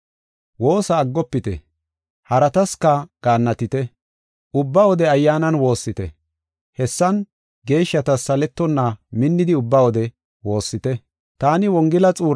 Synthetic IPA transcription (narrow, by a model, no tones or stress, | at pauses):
wo̞ːsɐːɡːɔpːɪt̪ɛ̰ | hɐɾɐt̪ɐskɐɡ̥aːnːɐt̪ɪt̪ɛ | ʔʊbːɐwɔd̪ɛɐjːaːnɐnwo̞ːsːɪt̪ɛ̰ | hɛsːɐn | ɡe̞ːʃːɐt̪ɐsːɐlɛt̪ːɔnːɐmɪnːɪd̪ɪʊbːɐwɔd̪ɛ | wo̞ːsːɪt̪ɛ | t̪aːnɪwɔŋɡɪlɐt͡sʼuːɾ